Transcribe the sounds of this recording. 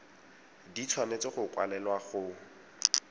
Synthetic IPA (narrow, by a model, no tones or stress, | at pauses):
dit͡sʰwamet͡sɔχʊkwa̰lɛlwaχʊ